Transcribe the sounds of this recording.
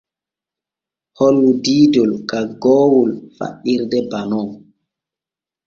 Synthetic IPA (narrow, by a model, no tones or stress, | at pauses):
hɔlwudiːdɔlkaɡɔːwulfa̰ɗːiɾdɛbanɔ